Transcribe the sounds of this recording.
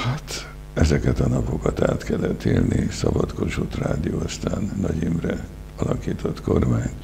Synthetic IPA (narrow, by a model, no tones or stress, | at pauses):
hat̪ | ɛzɛkɛt̪ɒnɒpo̞kɒt̪aːt̪kɛlːɛt̪ːiːlnʔisɒbɒt̪kot͡ʃut̪raːd̪ijoːɒst̪aːnːɒɟiːmrɛ | ɒlɒkiːt̪ʰo̞t̪ko̞rmaːɲ